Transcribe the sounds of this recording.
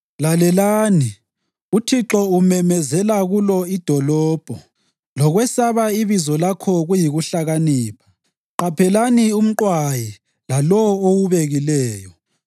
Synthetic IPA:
lalɛlaːni | utʰiǁɔumɛmɛzɛlaɣulɔid̥ʱɔlɔːb̥ʱɔ | lɔɣwɛsaβaiβizɔlakʰɔɣujiɣuɬaɣaniːpʰḁ | ǃapʰɛlanium̩ǃwaji | lalɔwowuβeɣilɛːjɔ

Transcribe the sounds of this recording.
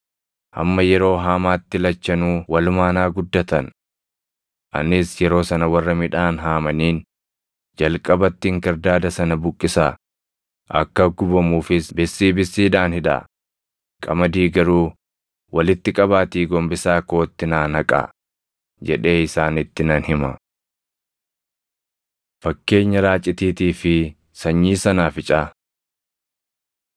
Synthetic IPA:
hɐ̰mːɐjɛɾo̞ːɦaːmaːt̪ːɪlɐt͡ʃːɐnuːwɐlʊmaːnaːɡʊd̪ːɐt̪ɐn | ʔɐ̰nɪsjɛɾo̞ːsɐnɐwɐrːɐmɪᶑaːnɦaːmɐniːn | d͡ʒɐlkʼɐbɐt̪ːɪŋkɐɾd̪aːd̪ɐsɐnɐbʊkʼːɪsaː | ʔɐ̰kːɐɡʊbɐmuːfɪsbɪsːiːbɪsːiːᶑaːnhɪᶑa̰ | kʼɐmɐd̪iːɡɐɾuː | wɐlɪt̪ːɪkʼɐbaːt̪iːɡɔmbɪsaːko̞ːt̪ːɪnaːnɐkʼɐ̰ | d͡ʒɛᶑe̞ːɪsaːnɪt̪ːɪnɐnhɪmɐ̰ | fɐkːe̞ːɲːɐɾaːt͡ʃʼɪt̪iːt̪iːfɪ | sɐɲːiːsɐnaːfɪt͡ʃʼaː

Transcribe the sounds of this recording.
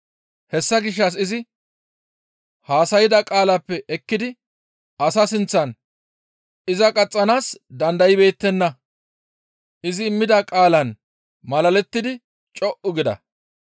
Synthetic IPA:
hɛsːɐɡɪʃ̬ːɐs̬ɪzɪ | haːsɐjɪd̪ɐkʼaːlɐpːɛʔɛkːɪd̪ɪ | ɐsɐsɪnt͡sːɐn | ɪzɐkʼɐt͡sʼːɐnaːsd̪ɐnd̪ɐjɪbe̞ːt̪ːɛnːɐ | ɪzɪːmːɪd̪ɐkʼaːlɐn | mɐlɐlɛt̪ːɪd̪ɪ | t͡ʃʼɔʔʊɡɪd̪ɐ̰

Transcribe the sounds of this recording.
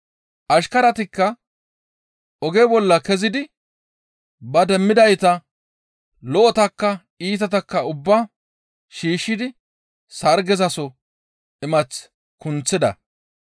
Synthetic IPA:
ʔɐʃkɐɾɐt̪ɪkːɐ | ʔɔɡɛbɔlːɐkɛzɪd̪ɪ | bɐd̪ɛmːɪd̪ɐjt̪ɐ | lɔʔɔt̪ɐkːɐ | iːt̪̬ɐt̪ɐkːɐʊbːɐ | ʃiːʃːɪd̪ɪ | sɐɾɡɛzɐsɔ | ɪmɐt͡s | kʊnt͡sːɪd̪ɐ̰

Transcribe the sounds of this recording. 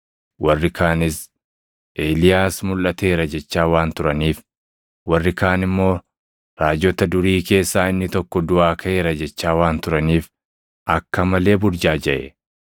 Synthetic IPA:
wɐrːɪkaːnɪs | ʔeːlɪjaːsmʊlʔɐt̪e̞ːɾɐd͡ʒɛt͡ʃːaːwaːnt̪ʊɾɐniːf | wɐrːɪkaːnɪmːo̞ː | ɾaːd͡ʒɔt̪ɐd̪ʊɾiːke̞ːsːaːɪnːɪt̪ɔkːɔd̪ʊʔaːkʰɐʔeːɾɐd͡ʒɛt͡ʃːaːwaːnt̪ʊɾɐniːf | ʔɐkːɐmɐle̞ːbʊɾd͡ʒaːd͡ʒɐʔɛ̰

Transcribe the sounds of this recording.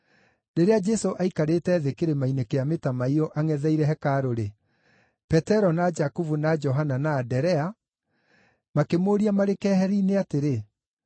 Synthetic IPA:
neɾead͡ʒɛsoʔaikaɾetɛːðekeɾemainekeametamaiɔʔaŋɛðɛiɾɛɦɛkaɾoɾe | pɛtɛɾɔnad͡ʒakuvunad͡ʒɔɦananaːdɛɾɛa | makemoːɾiamaɾekɛhɛɾiːneateɾe

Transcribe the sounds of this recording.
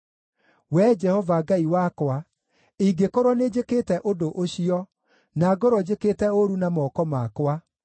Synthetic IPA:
wɛd͡ʒɛhɔvaɡaiwakwa | iɡekoɾwɔned͡ʑeketɛʔodoʔoɕiɔ | naɡoɾɔd͡ʑeketɛoɾunamɔːkɔmakwa

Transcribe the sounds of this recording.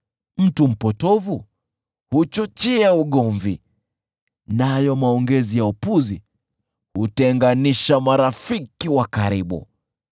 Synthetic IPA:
m̩tum̩pɔtɔvu | hut͡ʃɔt͡ʃɛauɠɔɱvi | najɔmaɔŋɡɛzijaupuzi | hutɛŋɡaniʃamaɾafikiwakaɾiɓṵ

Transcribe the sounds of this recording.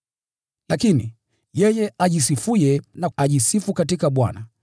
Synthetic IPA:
lakini | jɛjɛʔaʄisifujɛnaaʄisifukatikaɓwa̰na

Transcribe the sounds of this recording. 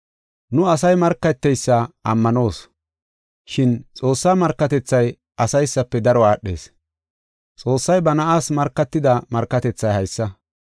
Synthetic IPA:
nʊɐs̬ɐjmɐɾkːɐt̪ːɛjsːɐɐ̰mːɐno̞ːs | ʃɪnt͡sʼo̞ːsːaːmɐɾkːɐt̪ɛt͡sːɐj | ɐsɐjsːɐpːɛd̪ɐɾɔaːɗːe̞̰ːs | t͡sʼo̞ːsːɐjbɐnɐʔaːsmɐɾkːɐt̪ːɪd̪ɐmɐɾkːɐt̪ɛt͡sːɐjhɐjsːɐ

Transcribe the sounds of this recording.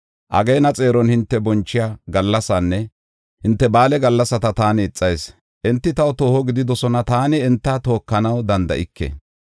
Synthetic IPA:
ʔɐ̰ɡɛjnɐt͡sʼe̞ːɾɔnhɪnt̪ːɛbɔnt͡ʃːɪjaːɡɐlːɐsɐnːɛ | hɪnt̪ːɛbaːlɛɡɐlːɐsɐt̪ɐt̪aːnɛɪt͡sʼːɐjs | ʔɛnt̪ːɪt̪ɐwt̪o̞ːhɔɡɪd̪ɪd̪ɔsɔnɐt̪aːnɪːnt̪ːɐt̪o̞ːkːɐnɐwd̪ɐnd̪ɐ̰ʔɪkʰːɛ̰

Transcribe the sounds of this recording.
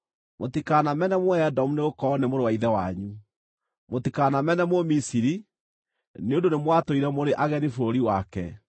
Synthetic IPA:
motikaːnamɛnɛmwɔɛdɔmuneɣokɔnemoɾowaiðɛwaɲu | motikaːnamɛnɛmwɔmisiɾi | neondonemwatoiɾɛmoɾeʔaɣɛnifoɾoɾiwakɛ̰

